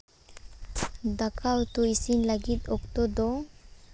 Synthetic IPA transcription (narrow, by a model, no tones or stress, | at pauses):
d̪akʰawt̪ɔisinlaɡit̪ɔkt̪ɔd̪ɔ